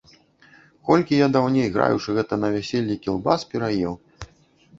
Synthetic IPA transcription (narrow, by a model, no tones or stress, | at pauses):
kɔlʲkʲijad̪awnʲejɣɾa̰jṵt͡ʂɨɣɛt̪ɐnɐvʲasʲelʲːikʲilˠbaspʲɛɾajɛw